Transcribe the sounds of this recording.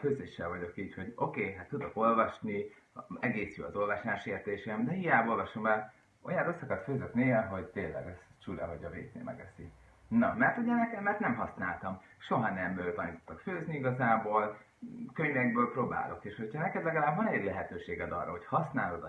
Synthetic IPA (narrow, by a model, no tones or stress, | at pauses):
føːzeːʃːɛlvɒɟo̞kiːcho̞ɟo̞keːɦat̪ːud̪o̞ko̞lvɒʃni | ɛɡeːsjy̰ːɒ̰zo̞lvɒʃlaːʃeːrt̪eːʃemd̪ɛɦijaːbo̞lvɒʃo̞mɛl | ʔo̞̰jɒrosːɒkɒt̪føːzøt̪nilɦo̞ɟt̪eːlːɛ̰ɡɛz̥ | t͡ʃulɛ̰ɦoɟɒvḛːt̪nḛːmɛ̰ɡɛsḭ | nɒmɛrt̪hoɟɛnɛkɛmɛrt̪nɛmɦɒsnaːlt̪ɒm | ʃo̞ɦɒnɛmøːt̪ɒniːt̪o̥t̪ːɒkføːzniiɡɒzaːboːl | køɲvɛɡ̚bøːlproːba̰ːlo̞̰keːʃhocʰɒnɛkɛd̪lɛɡɒlaːbvɒnɛɟlɛɦɛt̪øːʃeːɡɛd̪ɒ̰rːɒ̰ɦo̞chɒsnaːlo̞d̪